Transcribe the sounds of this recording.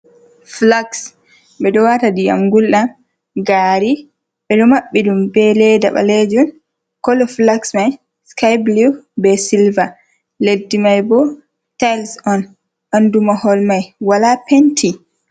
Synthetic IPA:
flaks | ɓɛɗɔwatadia̰mɡulɗam | ɡaːɾi | ɓɛɗɔmaɓːiɗumbɛlɛda̰ɓa̰led͡ʒɔn | kɔlɔflaksmaj | skajblubɛsilva | ledːimajbɔ | tajlsɔn | ʔandumahɔlmajwalapentʰi

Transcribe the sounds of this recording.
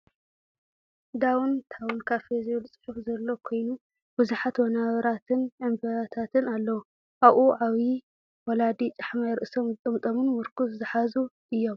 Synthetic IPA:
d̪awnt̪ʰawunkʰafezolt͡sʼɨ̥ħufzɐlːo̞kʰo̞jnu | b̥ɨzuħat̪wɔnaβɐɾat̪ʰɨnʔɨmbɐɾat̪ʰat̪ʰɨnalːɐwu | ʔaβʔuʕaβi | wɐlad̪it͡ʃʼaħmajɾɨʔsomɨt̪ʼɨmt̪ʼomɨnmɨɾkʰuszɨħazu | ʔɨjːo̞m

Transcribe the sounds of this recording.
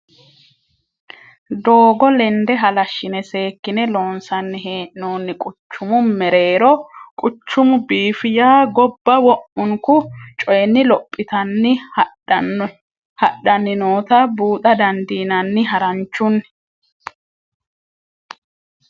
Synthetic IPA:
d̪oːɡɔlɛnd̪ɛɦɐlɐʃːɪnɛse̞ːkːɪnɛlo̞ːnsɐnːɪɦeːʔɪnoːnːɪkʼʊt͡ʃːʊmʊmɛɾe̞ːɾɔkʼʊt͡ʃːʊmʊbiːfɪjaːɡɔbːɐwɔʔʊŋkʊt͡ʃʼɔjɛnːɪlɔpʼːɪt̪ɐnːɪ | hɐɗɐnɪnoːt̪ɐbuːt̪ɐd̪ɐnd̪iːnɐnːɪɦɐɾɐnt͡ʃːʊnː

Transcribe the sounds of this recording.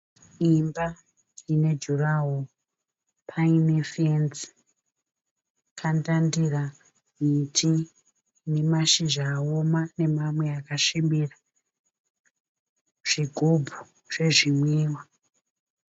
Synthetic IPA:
imba | ine̞d͡ʒuraɦo | pʰaine̞fent͡s | kʰandandira | mitʰi | ne̞maʃiʒaːomane̞mamwe̞akaʃimbira | ʐ̥iɡʱobʱu | ʐ̥e̞ʐimwiːwa

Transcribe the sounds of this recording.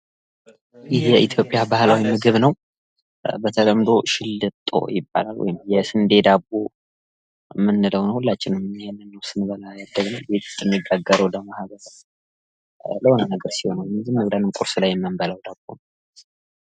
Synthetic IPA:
jɪhjɛʔit̪ʰjo̞pʼjabahlawimɨɡɨβnəw | bət̪ʰələmd̪o̞ʃɪlːɨt̪ʼːo̞̰jɪbːa̰lalwɔ̰jɪmjɛsɨnd̪e̞d̪abːo | mːɨnːɨləwnəwhulːat͡ʃːɪnɨmjhenːɨnːəwsɨnbəlajad̪ːəɡnəwbe̞t̪ʰɨ̥st̪ʼːɨnɨɡːaɡːəɾəwləmahɡəɾ | ləhonənəɡəɾsiho̞nawmɨzɨmːəbd̪anɨmkʼuɾsulajːɛmːɨmbəlawd̪abːo̰nəw

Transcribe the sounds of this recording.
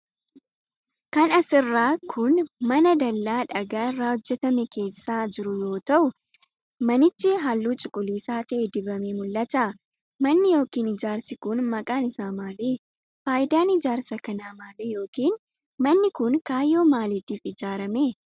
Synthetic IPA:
kɐnɐsɪrːaːkʰʊnmɐnɐd̪ɐlːaːᶑɐɡaːɪrːaːɔd͡ʒːɛt̪ɐmɛke̞ːsːaːd͡ʒɪɾʊjo̞ːt̪ɐʔʊ | mɐnɪt͡ʃːɪɦalːuːt͡ʃʼɪkʼʊliːsaːt̪ɐʔed̪ɪbɐmemʊlːɐt̪a | mɐnːɪjo̞ːkiːnɪd͡ʒaːɾsɪkʊnmɐkʼaːnɪsaːmaːleː | faːʔɪd̪aːnɪd͡ʒaːɾsɐkɐnaːmaːleːjo̞ːkiːn | mɐnːɪkʊnkaːjːo̞ːmaːlɪt̪iːfɪd͡ʒaːɾɐmeː

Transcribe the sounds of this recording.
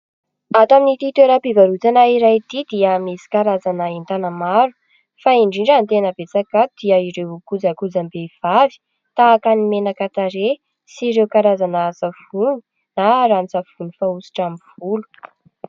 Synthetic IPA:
at̪aminit̪it̪eɾapivaɾut͡sanaiɾajt̪id̪iəmesi̥kaɾazanəint̪anəmaɾu̥ | faiɳɖ͡ʐiɳɖ͡ʐant̪enəbet͡sakat̪ud̪iəiɾewkud͡zakud͡zambev̥avi̥ | t̪aːkanimenakat̪aɾe | siɾewkaɾazanazav̥unu | naɾant͡sav̥unifausi̥ʈ͡ʂamiv̥ulu̥

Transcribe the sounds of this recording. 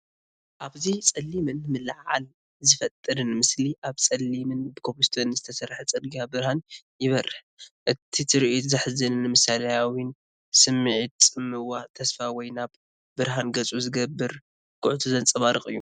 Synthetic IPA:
ʔaβzit͡sʼɐlːimɨnmɨlʕʕa̰l | zɨfɐt̪ʼːɨɾɨnmɨsliʔaβt͡sʼɐlːimɨnbɨkʰopost̪ʰonɨzɨt̪ʰɐsɐɾħat͡sʼɐd̪ɡiabɨɾhan | jɪβɐrːɨħ | ʔɨt̪ʰit̪ʰɨɾiʔut̪zɨħɨzɨnnːɨmɨsalɐjawin | sɨmːiʕit̪t͡sʼɨmːɨwat̪ʰɐsfawɔjnaβ | bɨɾɦanɡɐt͡sʼuzɨɡɐbːɨɾ | kʰʼʊʕt̪ʰuzɐnt͡sʼɐβaɾɨkʼɨjːu

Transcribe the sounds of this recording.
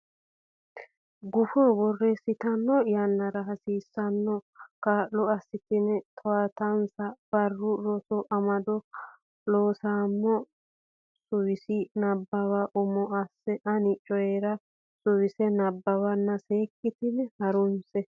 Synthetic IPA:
ɡʊfɔbɔrːɛsɪt̪ɐnːɔjɐnːɐɾɐɦɐsiːsːɐnːɔkaːʔɔɐsːɪt̪ɪnɛt̪ʰɔwat̪ɐnsɐb̥ɐrːʊɾɔsɔʔɐmɐd̪ɔ | loːsaːmːɔ | sʊwɪsɪnɐbːɐwaʔʊmɔɐsːɛʔɐnɪt͡ʃʼːɔjeɾɐ | sʊwɪsɛnɐbːɐwɐnːɐseːkʼːɪt̪ɪnɛhɐɾʊnsɛ

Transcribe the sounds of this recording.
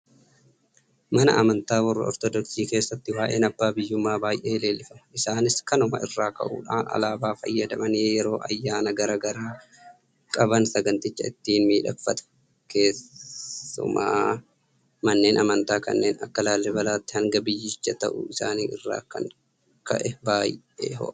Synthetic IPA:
mɐnɐ̰ʔɐmɐnt̪aːwɐrːɐ̰ɔ̰ɾt̪ɔd̪ɔksiːke̞ːsːɐt̪ːɪwaːʔe̞ːnɐbːaːbɪjːʊmːaːbaːjʔe̞ːle̞ːlɪfɐmɐɪsaːnɪskɐnʊmɐ̰ɪrːaːkɐ̰ʔṵːᶑaːnɐ̰laːbaːfɐ̰jːɐd̪ɐmɐneːjɛɾo̞ːʔɐjːaːnɐɡɐɾaːɡɐɾaː | kʼɐbɐnsɐɡɐnt̪ɪt͡ʃːɐɪt̪ːiːnmiːᶑɐ̰kfɐt̪ɐ̥ | ke̞ː | ʊ̰ma̰ː | mɐnːe̞ːnʔɐmɐnt̪aːkɐ̰nːe̞ːnɐkːɐlaːlːɛbɐlaːt̪ːɪhɐŋɡɐbɪjːɪt͡ʃːɐt̪ɐ̰ʔʊ̰ɪsa̰ːniːɪ̰rːa̰ːkɐ̰ŋ | kɐ̰ʔɛbaːj | ḛːɦɔ̰ʔ

